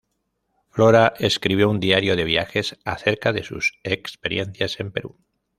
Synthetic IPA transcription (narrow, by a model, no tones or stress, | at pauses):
floɾaʔe̞skɾiβ̞jo̞und̪iaɾjo̞ðe̞β̞ijaxe̞saθe̞ɾkaðe̞sṵsekspe̞ɾje̞n̟θjase̞mpe̞ɾu